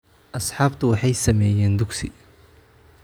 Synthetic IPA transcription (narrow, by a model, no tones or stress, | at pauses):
ʔɐsħɑːbt̪ʰʊwɑħɑjsɐmɛːjɛːnd̪ʊɡsɪ̰